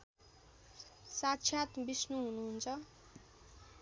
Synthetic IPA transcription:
sat̪ɕʰjat̪bisnuɦunuɦunt͡sʰʌ

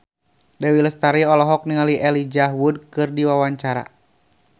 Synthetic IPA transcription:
dawiləst̪aɾiɔlɔɦɔk̚niŋaliʔɛlid͡ʒaɦwud̚kɨrdiwawaɲt͡ʃaɾa̰

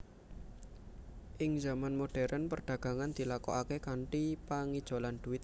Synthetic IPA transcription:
ʔɪŋzamanmoɖ̥ɛɾʔənpərɖ̥ä̤ɡ̥a̤ŋand̪̥i̤lakɔ̰akekaɳʈipaŋid̥ʒ̥o̤land̥̪uɪt̪̚

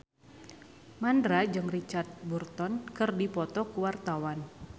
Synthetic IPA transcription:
mandɾad͡ʒɨŋrit͡ʃart̪̚burt̪ɔnkɨrdipɔt̪ɔkuwart̪awan

